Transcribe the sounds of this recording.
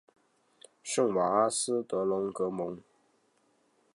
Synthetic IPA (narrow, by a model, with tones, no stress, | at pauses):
ʂɤ˥˩ŋwa˨˩a˥sɹ̩˥t̪ɤ˧˥lʊ˧˥ŋkɤ˧˥mʊ˧˥ŋ